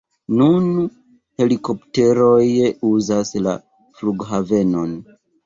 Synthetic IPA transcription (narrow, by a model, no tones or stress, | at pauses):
nun | he̞liko̞pte̞ɾojuzasla̰ | fluɡɦave̞no̞n